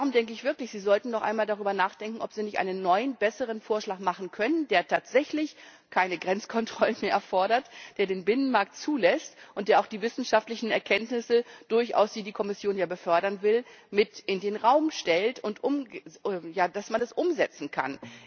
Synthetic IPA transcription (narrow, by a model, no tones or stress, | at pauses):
d̥aʁʊmdɛŋkəɪçv̥ɪɐklɪçz̥iːzɔltn̩nɔχʔa̰ɪnmaːldaʁ̞yːbɐnaːχd̥ɛŋkŋ̩ɔpz̥iːnɪçtʔa̰ɪnənːɔʏənbɛsəʁ̞ənfoːɐʃlaːkmaχn̩kʰœnəndeːɐtʰaːtz̥ɛçlɪç | kʰaɪnəɡʁɛnt͡skʰɔntʁ̥ɔlənmeːɐʔɛɐfɔɐɾɐtd̥eːɐdeːnbɪnənmaɐk̚tt͡suːlɛstʔʊntd̥eːɐaʊxd̥iːvɪsn̩ʃaftlɪçn̩ɛɐkʰɛntnɪsəd̥ʊɐçʔa̰ʊsd̥iːdiːkʰɔmɪsjoːnjaːbəfœɐɾɐnvɪlmɪtʔɪndeːnʁaʊmʃtɛltʊntʔʊmɛjaːd̥asmanɛsʔʊmzɛt͡sn̩kʰa̰n